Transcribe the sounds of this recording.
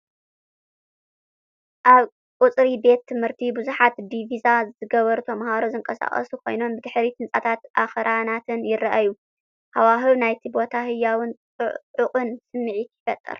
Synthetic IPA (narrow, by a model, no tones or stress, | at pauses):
ʔaβ | kʼʊt͡sʼɾibe̞t̪ʰːɨmhɨɾt̪ʰibuzuħat̪d̪ivizazɨzɨɡɐβɐɾt̪ʰɐmhaɾozɨŋkʼɐsa̰χʼɐ̰sukʰo̞̰jno̞mbɨd̪ɨħɾit̪ʰɨnt͡sʼat̪ʰat̪ʔaxɐɾʔanat̪ʰɨnjɪrːaʔaju | hawaɦɨβnajt̪ʰibo̞t̪ʰaɦɨjːawɨnʼɨʕʊkʼɨnsɨmːɨʕit̪ʰɪfɐt̪ʼːɨ̰ɾ